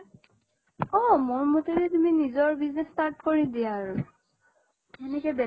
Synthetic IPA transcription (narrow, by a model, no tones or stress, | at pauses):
ɔmoɹmotelɛtuminizɔɹbiznɛstaɹtkoɹidijaɹ | ɛnɛkɛbɛ